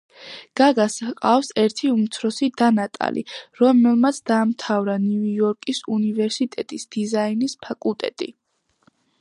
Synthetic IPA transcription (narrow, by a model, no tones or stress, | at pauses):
ɡ̥aɡasaqʼafsɛɾt̪ʰiumt̪sʰɾɔsid̪anat̪ʼa̰lḭɾɔmɛlˠmat̪sʰd̪aːmt̪ʰavɾanijɔɾkʼisunivɛɾsit̪ʼɛt̪ʼisd̪̥izainispʰakʼulˠt̪ʼɛ̰t̪ʼḭ